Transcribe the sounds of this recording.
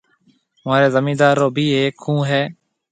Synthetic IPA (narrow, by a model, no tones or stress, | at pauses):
maːɾeːzəmĩːd̪aːɾːoːbʱiːeːkʰːũːɦɛː